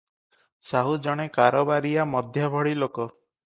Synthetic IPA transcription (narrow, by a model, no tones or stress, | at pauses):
saɦud͡ʒɔɽ̃ekaɾɔbaɾijamɔd̪ʱjabʱɔɽilokɔ